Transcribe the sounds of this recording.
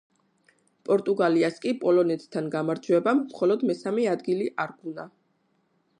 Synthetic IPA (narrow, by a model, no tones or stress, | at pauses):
pʼɔɾt̪ʼuɡaliaskʼipʼɔlɔnɛt̪ʰʼt̪ʰːanɡamaɾd͡ʒwɛbamːχɔlɔd̪mɛsamɛad̪ɡiliʔaɾɡuna